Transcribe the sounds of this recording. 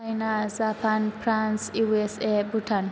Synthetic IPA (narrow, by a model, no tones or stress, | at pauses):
ajnazapʰanpɾansiwesebuʈʰan